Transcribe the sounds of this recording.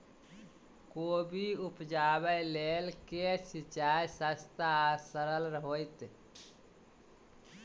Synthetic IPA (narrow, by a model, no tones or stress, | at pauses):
koːbiupd͡ʒaːbəlelkesit͡ʃajsəst̪asəɾəlɾəɦojt̪